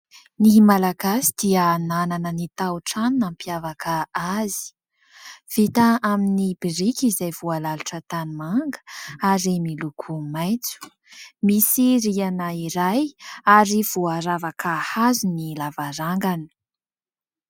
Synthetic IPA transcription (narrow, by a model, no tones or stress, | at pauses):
nimalaɡasi̥d̪̥iaːnananənit̪awʈ͡ʂannampjavakʰəazi̥ | v̥it̪aʔaminibiɾikizajvualaluʈ͡ʂət̪animaŋɡə̥aɾimilukʰumajt͡su̥ | misiɾianaiɾajaɾiv̥uaɾavakahazunilavaɾaŋɡani̥